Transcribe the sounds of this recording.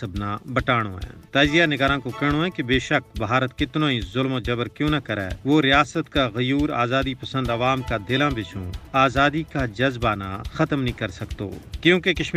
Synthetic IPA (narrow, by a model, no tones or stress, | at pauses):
ɐbnabɐʈaːɽ̃õ̰ɛ̰̃ːt̪ɐzɪjanɪɡaːɾãːkokɛɦɽ̃õːɛ̃kebeːʃək̚baːɾət̪kɪt̪nõːĩzʊlmod͡ʒɐbəɾkjõːnɐkɐɾɛ̰ːʋoːɾɪjaːsət̪kaɣɐjuːɾa̰ːzaːd̪ipɐsə̃nd̪ɐʋaːmkad̪ɪlãːbɪt͡ʃʰõ̰ːaːzaːd̪ikad͡ʒɐzbana̰xɐt̪mnəɦĩkɐɾsɐkt̪o̰ːkjõːkekɐʃm